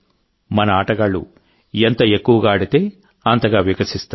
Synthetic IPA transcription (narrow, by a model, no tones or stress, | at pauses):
mɐnɐaːʈɐɡɐɭːṵ | ent̪ɐekːuʋɐɡaːɐɽit̪e̞ː | ɐnt̪ɐɡaːʋikɐsist̪a